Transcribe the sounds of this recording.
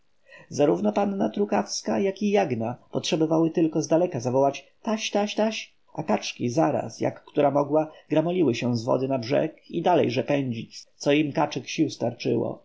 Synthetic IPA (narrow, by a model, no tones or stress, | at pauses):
zaɾuvnɔpanːat̪ɾukafskajakijaɡnapɔtʂɛbɔvawɘt̪ɘlkɔzd̪alɛkazavɔwat͡ɕ | t̪aɕt̪aɕt̪aɕ | ʔakat͡ʂkʲizaɾa̰sja̰kːt̪uɾamɔɡwaɡɾamɔlʲiwɘɕɛzvɔ̰d̪ɘnabʐɛ̰kid̪alɛjʐɛpɛɲd͡ʑit͡ɕt̪sɔimkat͡ʂɘkɕiwst̪aɾt͡ʂɘ̰wɔ̰